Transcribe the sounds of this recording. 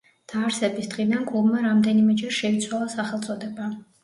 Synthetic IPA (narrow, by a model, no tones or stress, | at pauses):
d̪̥aːɾsɛbisd̪ʁid̪anɡʼulˠmaɾamd̪ɛnimɛd͡ʒɛɾʃɛit̪sʰwalˠasaχɛlˠt̪sʼɔd̪ɛba